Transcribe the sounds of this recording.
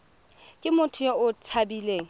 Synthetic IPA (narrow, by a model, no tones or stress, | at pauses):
kʼɪmʊtʰʊjaʊt͡sʰabileːŋ̩